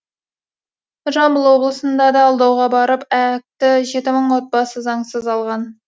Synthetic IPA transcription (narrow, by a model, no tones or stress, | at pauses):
ʒɑmbəlˠwo̞blˠəsənd̪ɑd̪ɑːlˠd̪ɑwʁɑbɑɾəpæk̚t̪ɪʒe̞t̪ɪməɴwo̞t̪̚bɑsəzɑɴsəzɑlˠʁɑn